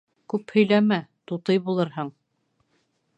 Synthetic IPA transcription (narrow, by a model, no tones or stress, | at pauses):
kʉphɵ̆jlæmæt̪ut̪ɤjbulˠɤɾɦɤɴ